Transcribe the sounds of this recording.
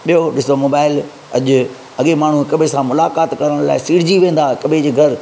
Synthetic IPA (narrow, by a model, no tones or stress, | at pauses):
ɓijoɗɪsomoːbaːɪl | ɐʄʊ | ɐɠemaːɳ̤ũkɐbʱesãmʊlaːkaːt̪kɐɾəɽ̃la̰ːɪsiːɽ̤ɪd͡ʑiʋẽːn̆d̪aːkɐbʱed͡ʑeːɡʱɐɾ